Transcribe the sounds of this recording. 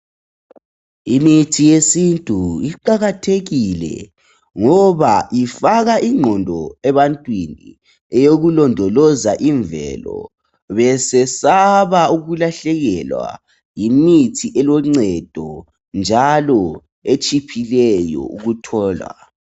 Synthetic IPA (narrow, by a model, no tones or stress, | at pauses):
imitʰijesintʼuiǃaɣatʰeɣilɛ̰ | ŋɔβaifaɣaʔiŋ͡ǃʱɔndʱɔɛβantʼwinḭ | ɛjoɣulɔndʱɔlɔzaʔiɱvɛ̰lɔ̰ | βɛsɛsaβauɣulaɬɛɣɛlwa̰ | jimitʰiʔɛlɔŋ͡ǀɛd̥ʱɔ | nd͡ʒʱalɔ | et͡ʃʼipʰilɛjɔ̰ṵɣutʰɔːla̰